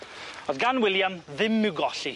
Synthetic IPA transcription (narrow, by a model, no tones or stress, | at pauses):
ɔðɡanwɪljamðɪmːɪwɡɔɬi